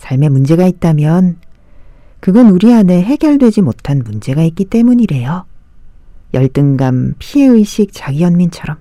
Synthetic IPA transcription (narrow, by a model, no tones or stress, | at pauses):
sʰaɭme̞mund͡ʑe̞ɡait̚t͈amjʌn | kɯɡʌnuɾiane̞ɦe̞ɡjʌɭdwe̞d͡ʑimotʰanmund͡ʑe̞ɡaik͈it͈e̞muɲiɾe̞jo | jʌɭt͈ɯŋɡampʰie̞ɯiɕʰik̚t͡ɕ͈aɡiʌnmint͡ɕʰʌɾʌm